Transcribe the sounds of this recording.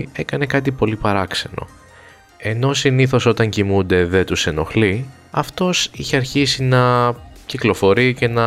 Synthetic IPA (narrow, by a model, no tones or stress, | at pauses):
e̞kɐne̞kɐt̪ipo̞lipɐɾɐkse̞no̞̰ | e̞no̞siniθo̞so̞t̪ɐɲcimund̪e̞ðe̞t̪use̞no̞xli | ɐft̪o̞siçe̞ɐɾçisinɐciklo̞fo̞ɾice̞nɐ